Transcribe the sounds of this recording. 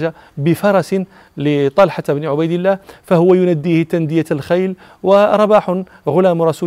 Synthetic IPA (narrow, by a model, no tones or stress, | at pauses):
ʒa | bəfɑɾˤɑsn | lit̪ˤɑlħabniʕʊbæjd̪əlːæhfæhʊwæjʊnæd̪ːiht̪ænd̪ɪjalxajl | wəɾˤɑbaħʊn | ɣʊlæmɾˤɑsu